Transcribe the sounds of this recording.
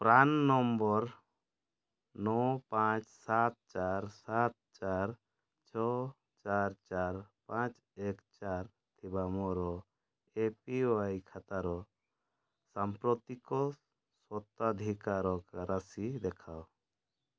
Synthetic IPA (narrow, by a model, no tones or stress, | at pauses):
pɾanːɔmbɔɾ | nɔpãt͡ʃsat̪̚t͡ʃaɾsat̪̚t͡ʃaɾ | t͡ʃʰɔ | t͡ʃaɾt͡ʃaɾpãt͡ʃ | ɛkt͡ʃaɾ | t̪ʰibamɔɾɔ | epiwajkʰat̪aɾɔ | sampɾɔt̪ikɔ | sɔt̪ad̪ʱikaɾɔkaɾasid̪ɛkʰaw